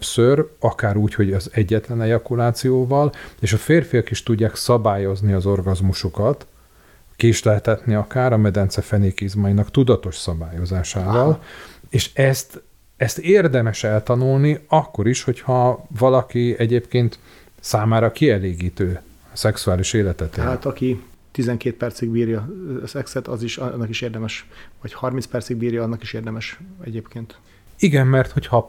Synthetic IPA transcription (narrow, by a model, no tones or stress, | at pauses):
psøɾɒkaːɾuːcho̞ɟɒzɛɟːɛt̪lɛnɛjɒkulaːt̪sijoːvɒleːʃɒfeːrfijɒkiʃt̪uɟːaːksɒbaːjo̞zniɒzo̞rɡɒzmuʃukɒt̪ | kiːʃlɛɦɛt̪hɛt̪niɒkaːɾɒmɛd̪ɛnt̪sɛfɛneːkiːzmɒjinɒkt̪ud̪ɒt̪o̞ʃsɒbaːjo̞zaːʃaːvɒleːʃɛst̪ | ɛst̪eːrd̪ɛmɛʃɛlt̪ɒnulniɒkːo̞ɾiʃho̞chɒvɒlɒkiɛɟeːpkeːnt̪ | saːmaːɾɒkiɛleːɡiːt̪øː | sɛksuaːliʃeːlɛt̪ɛt̪eaːt̪ɒki | t̪izɛŋkeːt̪̚pɛrt̪siɡbiːɾjɒsɛksɛt̪ɒ̰ziʃnːɒkiʃeːrd̪ɛmɛʃvɒchɒrminspɛrt̪siɡ̚biːɾjɒːnːɒkiʃeːrd̪ɛmɛʃɛ̰ɟeːpkeːnt̪ | iɡɛmːɛrt̪ho̞chɒ